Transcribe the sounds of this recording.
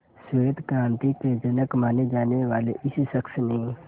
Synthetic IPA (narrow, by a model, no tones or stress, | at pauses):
sed̪kɾãːnt̪iked͡ʒənəkmaːned͡ʒaːneʋaːlḛʔɪsisəksnəɦĩː